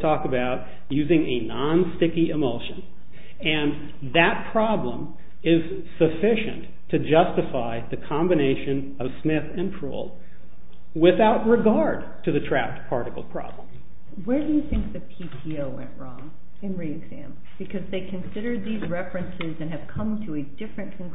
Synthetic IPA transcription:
tʰɔkəbaʊt̚ | jʉzɪ̃ŋɨnɑ̃nstɪkiɨmoʊʃɨ̃n | ɨ̃n | ðɨt̚pʰɹ̥ɑblə̰̃m | ɪz̥ | sɨfɪʃɨ̰̃ntʰɨd͡ʒʌstɨfaɪðɨkʰɑ̃mbɨneɪʃɨ̃n | ʌv̥smɪθɨ̃npʰɹ̥ṵlˠ | wɪθaʊt̚ɹɨɡɑɹd̚tʰɨðɨtʰɹ̥æ̰p̚tpʰɑɹɾɨkl̩ˠpʰɹ̥ɑ̰b̥lə̃m | wə˞dɨjɨθɪ̃ŋk̚ðɨpʰitʰioʊwɛ̰̃nʔɹɔ̰̃ŋ | ɨ̃nɹiɨɡzæ̰̃m | b̥ɨkʰʌzðeɪkʰɨ̃nsɪɾə˞d̪̚ðizɹɛfɹɨ̃nsɪzɨ̃nɨv̥kʰʌ̃mtʰɨɨdɪfɹɨ̃nkʰn̩

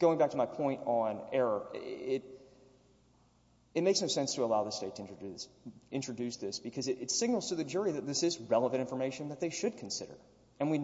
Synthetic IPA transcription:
ɡ̥oʊɪ̃ŋbæk̚tʰəmaɪpʰɔ̃ɪ̃ntn̩ɛɹə˞ɪɾ | ɨt̚meɪksnoʊsɛ̃nstʰəəlaʊðəsteɪtʰɨɪ̃nt͡ʃɹ̥ɨdʉɪ̃nt͡ʃɹ̥ɨdʉsðɪsb̥ɨkʰʌzɨɾʔɨtsɪɡ̚nl̩ˠz̥tʰɨðɨd͡ʒʊɹiðɨt̪̚ðɪsɨzɹɛlˠəvɨ̃ɾtɪ̃ɱfə˞meɪʃɨ̃nðɨt̪̚ðeɪʃɨd̚kʰn̩sɪɾə̰˞ | ɨ̃nwi

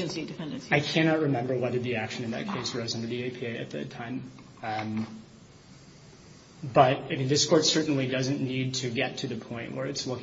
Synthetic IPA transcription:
ɨ̃nsidɨfɛ̃ndɨ̃nsaɪkʰæñɑt̚ɹɨmɛ̃mbə˞wɛðə˞ðiækʃɨ̃nɨ̃nðɨ̰t̚kʰeɪsɹoʊzʌ̃ndə˞ðieɪpʰieɪɨ̰t̪̚ðɨ̰tʰãɪ̃m | bʌɾ̚ɪmĩnðɪskʰɔɹtsɜ˞ʔn̩lidʌzɨ̃nnid̚tʰɨɡɛtʰɨðɨpʰɔ̃ɪ̃nʔwʔə˞ɨtswʌ

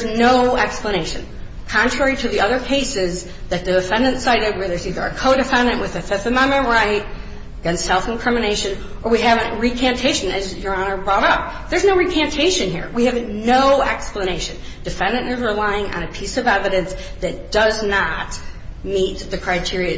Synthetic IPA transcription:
ðəznoʊɛkspləñeɪʃɨ̃n | kʰɑ̃ntʰɹ̥ɛɹiɾɨðiʌðə˞kʰeɪsɪz | ðɨt̪̚ðɨdɨfɛ̃ndɨ̃ntsaɪɾɨd̚wə˞ðə˞ziðə˞ɨ̰kʰoʊɾɨfɛ̃ndɨ̃nʔwɨðɨfɪθɨmɛ̃nmɨ̃nɹaɪt̚ | ɡ̥ʌ̃nsɛlˠfn̩kʰɹ̥ɪmɨneɪʃɨ̃n | ʔə˞wiɨvɨ̃nɹikʰæ̃mtʰeɪʃɨ̃nɨzjə˞ɑnə˞bɹɔɾʌp̚ | ðə˞znoʊɹikʰæ̃ntʰeɪʃɨ̃nhḭɹwiɨvnoʊɛkspləñeɪʃɨ̃n | d̥ɨfɛ̃ndɨ̃nɨzɹəlaɪɪ̃ŋɨ̰̃ñɨpʰisʌvɛvɨɾɨ̃nsðɨt̚d̥ʌznət̚mit̪̚ðɨkʰɹ̥aɪtʰɪɹiɨ̃

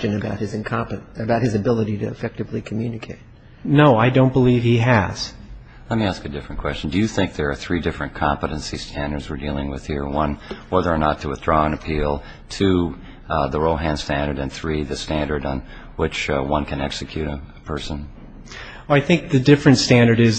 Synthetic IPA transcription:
t͡ʃɨ̃nɨbaʊt̚hɨzɨ̃nkʰɑ̃mpɨbaʊt̚hɨzɨbɪlˠəɾiɾɨɨfɛk̚tɨvlikʰmjʉnɨkʰeɪt̚ | noʊaɪdõʊ̃nb̥əliv̥hiɨz̥ | lɛt̚miæskɨdɪfɹɨ̃nkʰw̥ɛst͡ʃn̩dɨjɨθɪ̃ŋk̚ðə˞ːθɹidɪfɹɨ̃nkʰɑ̃mpəɾɨ̃nsistʰæ̃ndə˞dzwə˞dilˠɪ̃ŋwɨð̥hiɹwʌ̃nwɛðə˞ːnətʰəəθɹɔə̃nɨpʰilˠ | tʰɨ | ðəɹoʊɦæ̃nstæ̃ndə˞ɾɨ̃nθɹiðɨstæ̃ndə˞ɾn̩ | wɪt͡ʃwʌ̃nkʰɨ̃nɛ̰ksɨkʰj̥ʉɾɨpʰɜ˞sə̃n | aɪθɪ̃ŋk̚ðɨdɪfɹɨ̃ntstæ̃ndə˞ɾɪz

